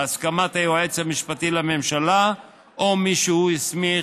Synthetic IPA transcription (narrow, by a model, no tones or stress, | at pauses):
askamat̪ajuaet͡samiʃpat̪ilamemʃala | ʔomiʃuujismi